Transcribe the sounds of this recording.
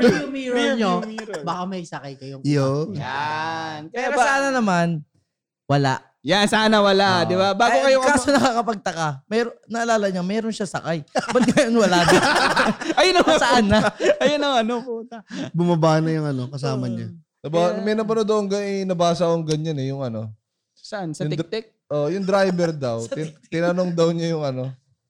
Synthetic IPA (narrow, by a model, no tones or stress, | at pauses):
ʊmiːɾoɲobakamɐjsɐkajkɐjojoanpɛɾosaːnɐnɐman | wɐla̰ʔ | jansaːnɐwɐlad̪ɪbabaːɡokɐjokɐkaːsonɐkakɐpɐɡ̚t̪ɐkamɛːɾonɐʔɐlaːlɐɲamɛːɾonʃasɐ̰kajbɐt̪̚ŋɐjonwɐlad̪ɐ | ɐjonɐŋsɐʔanaʔɐjonɐŋɐnopʊmʊnt̪abʊmɐbaːnɐjʊŋɐno̞kɐsaːmɐɲa | nɐbamɛjnɐpɐnod̪oʔoŋɡɐɪnɐbaːsɐkoŋɡɐɲanɛjʊŋɐno̞ | sɐʔansɐʊŋɪt̪ɛk̚ʔoʔjʊŋd̪ɾajbɛɾd̪ɐwt̪ɪt̪ɪnɐno̞ŋd̪ɐwɲajʊŋʔɐno̞